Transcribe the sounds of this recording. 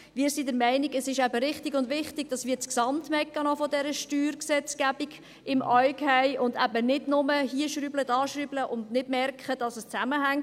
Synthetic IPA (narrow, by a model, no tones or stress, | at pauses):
ʋiːɾsidəɾmæɪniɡəsɪʃæbəɾɪχtɪɡʊndʋɪχtɪɡ̚d̥ɑsʋiːt͡sksɑmtmɛkːɑnɔfɔdɛɾəʃtyːɾksɛt͡skæbiɡ | ɪmʔœʏkhæɪʔʊndæbənɪdnʊməhiːəʃɾyblədɑːʃrybləʔʊndnɪdmɛɾkχəd̥ɑsəst͡sæməɦæŋ